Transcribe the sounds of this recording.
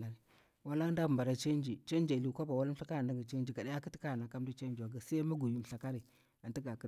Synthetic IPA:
a˨ɾi˨ | wa˦la˦da˦bmba˨ɾa˨t͡ʃe˦nd͡ʒi˨t͡ʃe˦nd͡ʒa˨li˨˦kʷa˦ba˨wa˦la˦ɬa˦ka˦ɾnda˦ɡa˨t͡ʃe˦nd͡ʒi˨ɡa˨da˦ja˦ki˦ti˦ka˦˨na˨ka˦m˦du˦t͡ʃe˦d͡ʒi˨wa˨ɡa˨sa˦ma˦ɡu˨ju˨mɬa˨ka˦ɾi˨ | a˨nti˦ɡa˨kə˦

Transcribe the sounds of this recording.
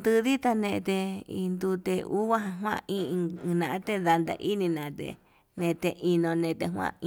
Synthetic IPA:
nd̪ɨ˧ði˦t̪a˧nẽ˧ʔt̪e˧i˧nd̪u˧t̪e˧u˦βa˦ɦã˧ɦw̃ã̰˧ĩ˦˧nã˧ʔã˦t̪e˦ða˧nd̪a̰˧ʔi˦nĩ˧nã˧t̪ḛ˧ | nẽ˧t̪e˧ʔi˧nõ˧nẽ˧t̪e˧ɦw̃ã̰˧ĩ˧

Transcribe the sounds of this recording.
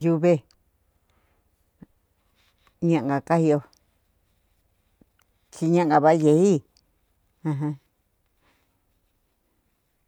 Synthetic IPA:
ju˧βe˦ | ɲã˧ʔŋ˨ɡa˨ka˦hi˧o˧ | t͡ʃi˧ɲã˦ʔŋ˨ɡa˧βa˦je˧i˦ | ã˧ɦã˧

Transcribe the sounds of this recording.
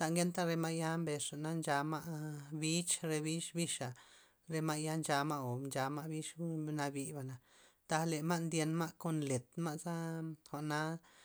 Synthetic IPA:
t̪a˧ŋɡe˦nt̪a˦ɾe˧ma˦ʔja˦mbe˨ʂa˨na˦nd͡ʒa˧ma˦ʔbi˦t͡ʃɾe˧bi˦ʃbi˦ʃa˨ | ɾe˧ma˦ja˦nd͡ʒa˧ma˦o˨nd͡ʒa˧ma˦bi˦ʃna˧bi˧ba˨na˨ | d̪̥a˧le˨ma˦ʔnd̪ʲje˧nma˦ʔko˦nle˨t̪ma˦ʔza˦xʷa˨na˦

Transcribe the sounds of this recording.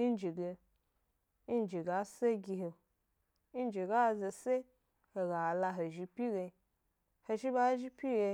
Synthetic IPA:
i˦n˦d͡ʒi˨ɡe˧˦ | n˦d͡ʒi˨ɡa˨˦se˦ɡʲi˧ɦe˨ | i˦n˦d͡ʒi˨ɡa˦˨ze˨se˦ | he˨ɡa˨la˧ɦo˨ʒi˧pi˦ɡe˧˨ | he˧ʃi˦ba˦ʒi˦pi˦ɡe˧

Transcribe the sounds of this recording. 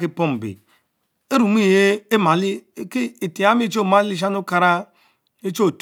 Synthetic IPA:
ki˦˨po˦˨m˨bḛ˨ | e˦ɾu˨m˦i˦˨je˦e˦ma˨li˦ki˦i˨ti˨a˦mi˦t͡ʃo˦˨ma˦li˦ʃ̬a˦nu˦ka˨ɾa˦ | i˦t͡ʃo˦˨t

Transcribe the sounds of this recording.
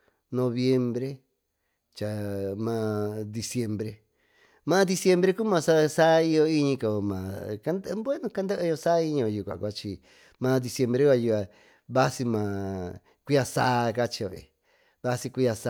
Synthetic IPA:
nõ˧βje˧mbɾe˦ | t͡ʃa˨mãː˧d̪i˧sje˧mbɾe˧ | mãː˦d̪i˧sje˧mbɾe˧ku˦mã˧sa˦˧sa˦˧i˦˧jo˧i˦ɲĩ˧ko˨mã̰˨ka˧˦nd̪bwe˦nũ˧ka˦nd̪e˦ʔɨ˧jo˧sa˦i˧˦ɲĩ˧õ˧˨ju˨kʷa̰˨kʷa˧t͡ʃi˧ | mãː˧d̪i˧sje˧mbɾe˦kʷa˧ju˧a˧ | βa˦si˧mã˨ | kʷi˦a˧saː˦˧˦ka˦t͡ʃi˧o̰˨ḭ˨ | βa˦si˧kʷi˦˧a˧s

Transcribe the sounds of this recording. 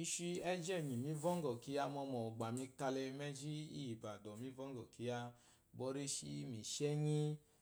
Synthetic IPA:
i˧ʃi˧ɛ˦d͡ʒɛ˦˨ɲĩ˨mĩ˨˦vɔ˦ŋ˦ɡɔ˨ki˨˧˦a˧mɔ˧mɔ˨ɡ͡ba˨mĩ˧ka˧lɛ˧mɛ˦d͡ʒi˦ḭ˦ji˨ba˨dɔ˨mĩ˦vɔ˦ŋ˦ɡɔ˨ki˨˦a˧ | bɔ˧˦ɾe˦ʃi˦mĩ˧ʃɛ˦ɲĩ˦

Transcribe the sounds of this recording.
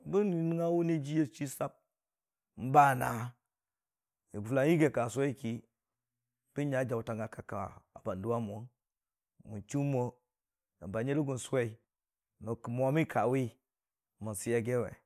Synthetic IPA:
bi˦ni˨ni˦ŋa˦wu˦ni˦d͡ʒi˦je˦˨t͡ʃi˦sa˦p̚ | m̩˦ba˦˨na˨ | i˨la˨˦i˦ɡe˨ka˨sʷe˦i˦˨ki˦ | b̥i˦ɲa˨˦d͡ʒa˨u˨ta˨ŋɡa˨ka˨ka̰˨a̰˨ba˨ndu˦wa˦mʷ˨o˦n | mu˨nt͡ʃu˦mo˦ | a̰˨mba˨ɲe˦li˦ɡu˨n˨se˦i˨ | no˨kmo˨a˨˦mi˦kʰa˨wi˦ | mu˨si˦ja˨ɡe˦wḛ˨

